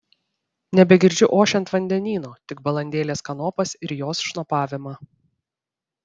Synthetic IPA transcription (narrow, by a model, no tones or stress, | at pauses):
nʲɛbʲɛɡʲɪɾʲd͡ʒʲʊʔoːʃʲɛnt̪ʋɐnʲd̪ʲɛnʲiːnoːt̪ʲɪkbɐlˠɐnʲd̪ʲeːlʲeːskɐnɔːpɐsɪɾjoːsʃnopɑːʋʲɪmɑː